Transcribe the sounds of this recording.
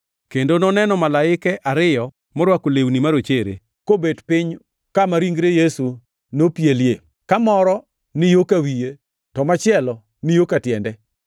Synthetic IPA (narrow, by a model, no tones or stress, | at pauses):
kendonɔnɛnɔmalaɪkɛʔaɾɪjɔ | mɔɾwakolewnimaɾot͡ʃeɾḛ | kobedpɪɲ | kamaɾiŋɡɾejesu | nopjelje | kamɔɾɔ | nɪjokawije | tɔmat͡ʃɪɛlɔ | nɪjokatjɛndɛ